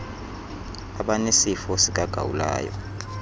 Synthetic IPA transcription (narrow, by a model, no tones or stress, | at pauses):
aɓanesifɔsik̬aɡ̥ʱa̰wṵla̰ːjɔ̰